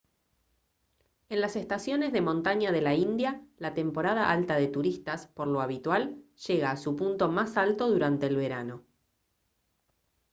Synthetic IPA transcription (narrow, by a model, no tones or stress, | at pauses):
enlase̞st̪asjo̞ne̞zðe̞mõ̞nt̪aɲaðe̞laind̪jalat̪e̞mpo̞ɾað̞aʔalt̪aðet̪uɾist̪aspo̞ɾlo̞aβ̞it̪walʒ̥eɣaːsupunt̪o̞masalt̪o̞ðuɾant̪eːlβe̞ɾano̞